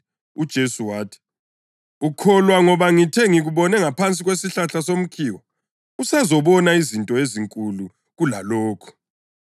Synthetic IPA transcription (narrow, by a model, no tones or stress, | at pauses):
ud̥ʒ̥ʱesuwaːtʰi̥ | ukʰɔlwaŋɔβaŋitʰɛŋiɣuβɔnɛŋapʰant͡sʼiɣwesiɬaɬasom̩kʰiːwɔ | usazɔβɔnaizintʼɔeziŋkʼulu | ɣula̰lɔːkʰɔ̥